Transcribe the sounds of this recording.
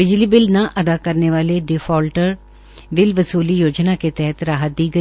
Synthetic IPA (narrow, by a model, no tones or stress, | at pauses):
bɪd͡ʒliːbɪlnãːʔəd̪aːkəɾneːʋaːleːɖɪfʰɔːlʈəɾ | ʋɪlʋəsuːliːjoːd͡ʒnaːket̪ɛɦt̪ɾaːɦət̪̚d̪iːɡəiː